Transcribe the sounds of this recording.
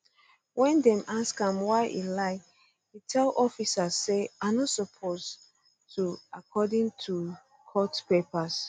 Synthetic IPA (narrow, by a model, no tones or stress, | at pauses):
wɛ̃ndɛ̃mʔaskãmwaɪʔḭlaɪ | hitʰɛlɔfisasːeaɪnɔtsɔpʰoz | tʰuakʰɔdĩŋtʰu | kʰɔtpepas